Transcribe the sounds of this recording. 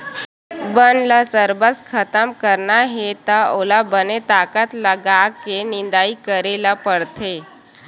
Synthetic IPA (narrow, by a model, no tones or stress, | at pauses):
bənləsəɾbət͡skʰət̪əmkəɾɳaɦet̪aolabənet̪akət̪ləɡakenind̪aikəɾelapəɽt̪ʰe